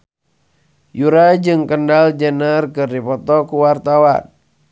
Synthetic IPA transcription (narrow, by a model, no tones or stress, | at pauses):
juɾajd͡ʒɨŋkəndald͡ʒənərkɨrdipɔt̪ɔkuwart̪awa̰n